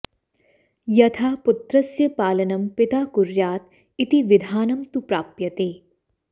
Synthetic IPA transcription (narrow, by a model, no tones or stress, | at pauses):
jɐt̪ʰaːpʊt̪ɾɐsjɐpaːlɐnɐmpɪt̪aːkʊɾjaːt̪̚ | it̪iʋɪd̪ʱaːnɐmt̪upɾaːpjɐt̪eː